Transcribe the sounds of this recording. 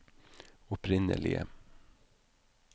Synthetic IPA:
ɔpʰɾɪnːə̰lɪ̰ɡə̰

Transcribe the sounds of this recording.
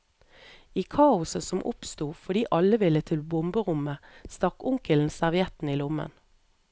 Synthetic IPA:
iːkʰɑːʊsəsɔmʔʊ̰pst̪uːfɔd̪iːʔɑləʋɪlət̪ʰɪlbʊmbəʁʊməst̪ɑkʊŋkəln̩sæʁʋɪɛt̪n̩iːlʊmə̰n

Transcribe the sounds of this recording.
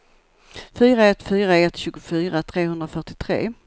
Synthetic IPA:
fyːɾaɛt̪ːfyːɾaɛt̪ːɕʉ̟ːɡʊfyːɾat̪ʰɾeːɦɵnd̪ɾafœʈɪt̪ʰɾḛː

